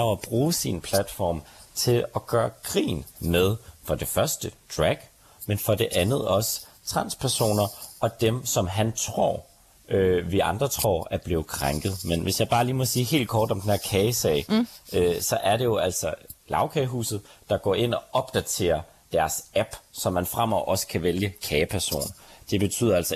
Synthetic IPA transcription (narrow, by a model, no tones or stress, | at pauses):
ɒɒb̥ʁuːsinpʰlæd̥fɒ̰ːmt͡sʰe̝lɒɡ̥ɶːɐɡ̥ʁḭːnmeð̞ˠfɒ̽d̥e̝fɶɐsd̥əd̥ʁæɡ̥ | menfɒ̽d̥e̝ʔænð̞̩ˠɒ̽s | t͡sʰʁɑ̈n̰spʰæɐso̝̰ːnɐɒ̽d̥emsɒ̽mɦænt͡sʰʁo̝̰ɐ̰ | ʔøʋiʔɑ̈nd̥ʁɐt͡sʰʁo̰ːæɐb̥leːð̩ˠkʰʁaŋɡ̥ð̞̩ˠmenʋʔe̝sjɑ̈ɪb̥ɑ̈ːliːmɒ̽siːɦe̝̰ːld̥̚kʰɒːd̥ɒ̽md̥enhḛɐ̰kʰɛːɪsɛ̰ɪøsɒ̽ʔæɐɾe̝jo̝æl̰sɒ̽lɑ̈ʊkʰɛɦṵːsð̞̩ˠd̥ɑ̈ɡ̥ɒ̰ːe̝n̰ɒ̽ɒ̽b̥̚d̥æt͡sʰe̝̰ːɐ | d̥æɐsæb̥sɒ̽mːænfʁam̰ɒʊ̰ʔɒ̽sə̥kʰæʋeljəkʰɛːɪpʰæɐso̝̰ːnd̥e̝b̥e̝t͡sʰy̰ːðˠɐælsɒ